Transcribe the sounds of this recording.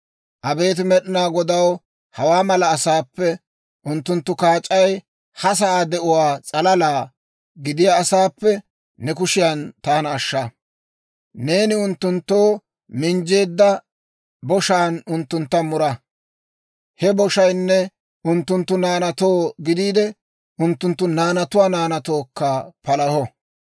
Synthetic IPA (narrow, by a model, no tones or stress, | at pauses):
ʔɐbe̞ːt̪̬ɪmɛɗɪnaːɡɔd̪ɐw | hɐwaːmɐlɐːsaːpːɛ | ʔʊnt̪ːʊnt̪ːʊkaːt͡ʃʼɐj | hɐs̬ɐaːd̪ɛʔʊwaːt͡sʼɐlɐlaː | ɡɪd̪ɪjaːsaːpːɛ | nɛkʊʃɪjant̪aːnːʃːɐ | ne̞ːnɪʊnt̪ːʊnt̪ːo̞ː | mɪnd͡ʒe̞ːd̪ːɐ | bɔʃaːnʊnt̪ːʊnt̪ːɐmʊɾɐ | hɛbɔʃɐjnːɛ | ʔʊnt̪ːʊnt̪ːʊnaːnɐt̪o̞ːɡɪd̪iːd̪ɛ | ʔʊnt̪ːʊnt̪ːʊnaːnɐt̪ʊwaːnaːnɐt̪o̞ːkːɐpɐlɐhɔ